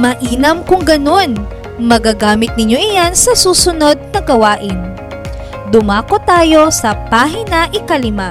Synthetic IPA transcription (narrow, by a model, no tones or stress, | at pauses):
mɐʔiːnɐmkʊŋɡɐno̞n | mɐɡaːɡaːmɪt̪̚nɪɲjo̞ʔɪjansɐsuːsʊno̞d̪̚nɐɡɐwaːʔɪn | d̪ʊmaːkot̪aːjo̞sɐpaːɦɪnɐʔɪkɐlɪma